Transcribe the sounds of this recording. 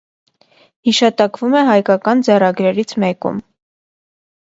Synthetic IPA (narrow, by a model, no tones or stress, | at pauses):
hiʃɑt̪ɑkvumɛɦɑjkɑkɑnd͡zɛrɑɡɾɛɾit͡sʰmɛkṵm